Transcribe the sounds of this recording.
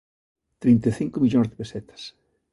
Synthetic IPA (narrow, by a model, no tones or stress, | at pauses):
t̪ɾint̪eθiŋkomiʎõŋzðɪpeset̪ɐ̥s